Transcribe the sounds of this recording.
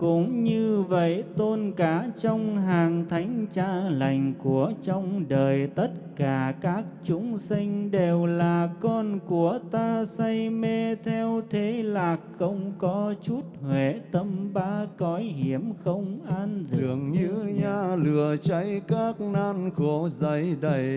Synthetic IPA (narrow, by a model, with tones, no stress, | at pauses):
kʊ̰˧˥ŋ͡mɲɨ˧və̰˧˨jt̪o˧nkaː˧˩˦t͡ɕɔ˧wŋ͡mɦaː˨˩ŋt̪ʰa˨˦jŋ̟t͡ɕaː˧˥la˨˩jŋ̟ku˧˩ət͡ɕɔ˧wŋ͡mɗəː˨˩jt̪ə˦˥t̚kaː˧˩kaː˦˥k̚t͡ɕʊ˨˦ŋ͡msï˧ŋ̟ɗe˨˩wlaː˨˩kɔ˧nku˧˩ət̪aː˧sa˧jme˧t̪ʰɛ˧wt̪ʰe˨˦laː˨˩k̚xə˧wŋ͡mkɔ˨˦t͡ɕu˦˥t̚hwḛ˧˨t̪ə˧mɓaː˨˦kɔ˨˦jɦi˧˩əmxə˧wŋ͡mʔaː˧nzɨ̰˨˩əŋɲɨ˧˥ɲaː˧lɨ˨˩ət͡ɕa˨˦jkaː˦˥k̚naː˧nxo˧˩˦zə˧˦jɗə˧˩j